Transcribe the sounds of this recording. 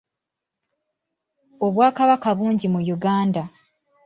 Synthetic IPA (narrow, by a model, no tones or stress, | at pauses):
o̞βwaːkaβakaβuːɲɟimujuɡaːnda